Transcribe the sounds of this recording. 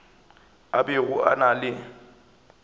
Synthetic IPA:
abɪɣʊʔa̰nalɪ

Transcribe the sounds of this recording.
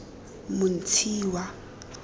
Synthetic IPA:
mʊn̩tʰiːwa

